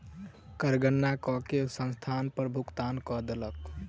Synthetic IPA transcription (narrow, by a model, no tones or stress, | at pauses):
kəɾɡənːakɔkesə̃nst̪ʰanpəɾbʱukt̪ankɔd̪elək